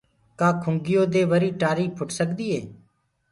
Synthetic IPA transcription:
kaːkʰʊ̃ŋɡɪjoːd̪eːʋəɾiːʈaːɾiːpʰʊʈsəkd̪iːɦeː

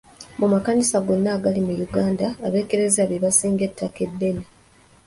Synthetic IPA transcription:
mumakanisaɡo̞nːaːɡalimujuɡaːndaːβe̞ːke̞ɾe̞zaβeβasiːŋɡe̞tʰːake̞dːe̞ni

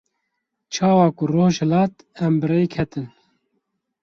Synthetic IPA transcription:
t͡ʃʰɑːwɑːkʊroːʒhɛlɑːt̪ | ɛmbɨɾeːjkʰɛt̪ɨn

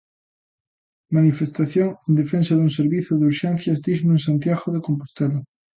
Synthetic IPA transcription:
manifest̪aθjoŋẽnd̪efẽnsaðuŋseɾβiθoðuɾʃen̟θjazd̪iznoẽnsant̪jaɣoðekompu̥st̪ela

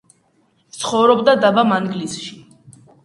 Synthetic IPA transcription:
t̪t̪sʰχɔvɾɔbd̪ad̪abamaŋɡlisʃi

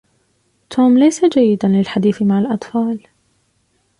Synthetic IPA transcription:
t̪ʰuːmlajsad͡ʒajːɪd̪anlɪlħad̪iːθmaʕalʔɑt̪ˤfɑːl

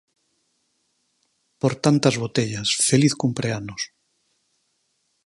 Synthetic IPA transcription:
poɾt̪ant̪azβot̪eʎasfeliθkumpɾeanos

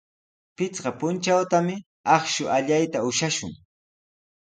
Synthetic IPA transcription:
pɪt͡sɢɑpʊnt͡ʃawt̪amɪ | ɑχʃʊʔaʎajt̪aʊʃaʃʊ̰ŋ

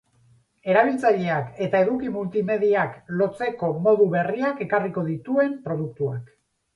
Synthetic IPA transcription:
e̞ɾaβ̞ilt͡saʎeake̞t̪ae̞ðukimult̪ime̞ðiaklo̞t͡se̞ko̞mo̞ðuβe̞riake̞kariko̞ðit̪ue̞mpɾo̞ð̞uk̚t̪uak

